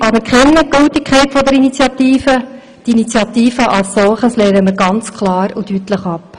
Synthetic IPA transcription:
ʔɑbəɾkχɪnːəɡ̥øltikʰχɛɪtfɔd̪ɛɾinit͡sjɑt̪iːfə | dinit͡sjɑt̪iːfəʔɑlssɔlχəsleːɾəməɾɡɑnt͡skʰlɑːɾudytləχɑp

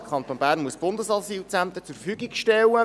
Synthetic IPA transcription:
kʰɑnt̪onb̥æːɾnmuəsb̥ʊnd̪əsɑsiːlt͡sænt̪ət͡sʊrfyːɡikʃtɛlːə

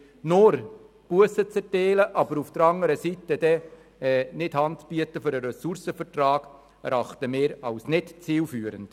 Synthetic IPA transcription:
noɾ | b̥uəsət͡sɛteːləʔɑbəɾufd̥əɾɑŋəɾəsitəd̥ɛ | ɛnɪdhɑntsb̥iətəføɾəɾɛsuɾsəfəɾtrɑːɡ̥ | ɛɾɑχtəmeːɾɑwsnɪtt͡siːlfyːəɾənd̥

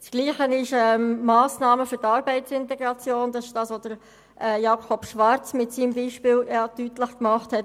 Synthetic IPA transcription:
sɡ̥liːχənɪʃɛːmɑːsnɑːməfʏɾtɑːɾbɛɪtsɪntɛɡɾɑt͡sjoːndɑsɪ̥ʃd̥ɑːsʋod̥əɾ | ʔɛːjɑːkʰɔpʃʋɑɾt͡smɪtsiːmbiːʃpɪːljɑtytləχkmɑχthɛt

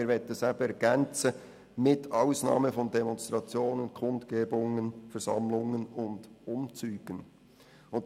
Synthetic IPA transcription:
ɪːɾʋɛtəsæbəɛɾɡ̥ɛnt͡sə | mɪtʰɑʊsnɑ̰ːməfɔndɛmɔnst̪ʁɑt͡sjoːnənkʰʊntkeːbʊŋənfɛɾsɑ̰mlʊŋənʊnd̥ʊmt͡syːɡ̥ən | ʊnt

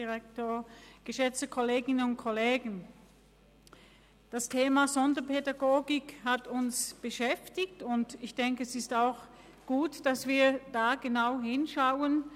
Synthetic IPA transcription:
iʁɛk̚toːɐɡ̥əʃɛt͡stəkʰoleːɡɪnənʊnt̚kʰoleːɡŋ̩ | d̥astʰeːmazɔndɐpʰedaɡoːɡɪkhatʊnsb̥əʃɛftɪçtʊntɪçd̥ɛŋkəɛsɪstaʊx | ɡ̥uːtd̥asv̥iːɐd̥aːɡ̥ənaʊɦɪnʃaʊən

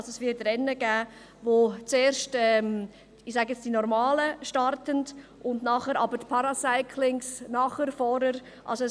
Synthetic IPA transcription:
sɛsʋɪːtɾɛnːəɡæː | ʋoːt͡seːɾʃtɛm | ɪxsɑːɡɛt͡sd̥inɔɾmɑːləʃtɑɾtəndʔʊndnɑːχəɾɑbəɾpʰɑɾɑsaɪkʰlɪŋsnɑːχəɾfɔɾəɾ | ʔɑ̰lsoɛ

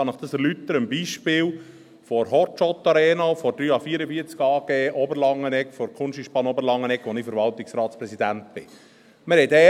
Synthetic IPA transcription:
ɑnɪχd̥̪ɑsɛɾlyt̪ːəɾəmbiːʃpɪːl | fɔɾɦɔtt͡ʃɔt̪ːɑɾɛːnɑfɔd̥ɾyːɑfiːəɾəbiət͡skɑːɡ̥eːʔɔbəɾlɑŋːənɛkfɔɾkʰχʊnʃiʃpɑnɔbəɾlɑŋːənɛkʋɔniːfəɾʋɑlt̪ɪksɾɑːtspɾɛsid̪ænt̪̚b̥ɪ | məɾhɛt̪ɛ

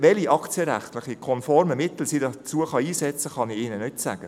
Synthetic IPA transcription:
ʋɛliʔɑkt͡sjəɾæ̰χt̪lɪχikʰɔnfɔɾməmɪt̪l̩siːdɑt͡suəχɑiːsɛt͡səχɑniɪːnənʏtsæːɡ̥ə

